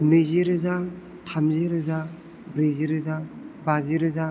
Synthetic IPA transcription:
nɯziɾɯza | tʰamziɾɯza | bɾeziɾɯzabaziɾɯza

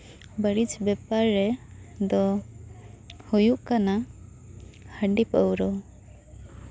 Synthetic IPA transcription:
bəɽid͡ʒbɛpaɾːɛd̪ɔ | hujuʔkana | həɳɖipəwɾɔ

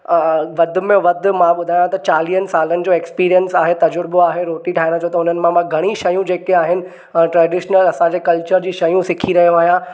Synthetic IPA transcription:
ʋɐd̪ʱʊ̆mẽʋɐd̪ʱʊ̆mãɓʊd̪ʱaːjãt̪ɐt͡ɕaːlijənɪ̆saːlənɪ̆d͡ʑoːekspiːɾijənsaːɦet̪ɐd͡ʑʊɾboaːɦeɾoːʈiʈʰaːɦɪ̃nat͡ɕʰɐoːt̪ɐɦʊn̤ənɪ̆mãmãɡʱɐɽ̃iʃɐjũd͡ʑeːkeaːɦɪnɪ̆ | ʈɾɛːɖɪʃnəlɐsãɲd͡ʑeːkɐlt͡ɕəɾd͡ʑiːʃɐjũsɪkʰiɾɐɦijõaːɦijã

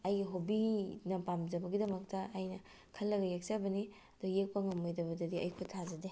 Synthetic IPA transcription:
ɐjɡiɦobinɐpamzɐbɐɡidɐmɐk̚tɐːjnɐ | kʰɐlːɐɡɐjek̚sabɐni | ɐdujek̚pɐŋɐmojdɐβɐdɐdiɐjkʰotʰazɐde

